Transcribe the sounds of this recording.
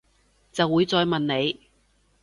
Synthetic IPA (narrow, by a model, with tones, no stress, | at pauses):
t͡sɐ˨wːuː˨˧jt͡sɔː˨jmɐ˨nne˨˧j